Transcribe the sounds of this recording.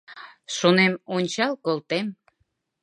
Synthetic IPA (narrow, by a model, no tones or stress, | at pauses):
ʃonemonʲt͡ɕɑlkolˠt̪em